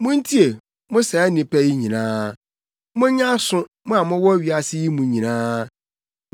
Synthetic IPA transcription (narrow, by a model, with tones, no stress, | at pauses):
mʊ̃˦n̩˦tʰi˦e˨ | mʊ̃˦sɛ˨˦nɪ̃˨pæ˦ji˦ɲĩ˨nãː˦ | mʊ̃˦ɲã˦sʊ̃˦ | mʊ̃˦a˨mʊ̃˦wɔ˦ɥi˨a˨sɪ˦ji˦mũ˨˦ɲĩ˨nãː˦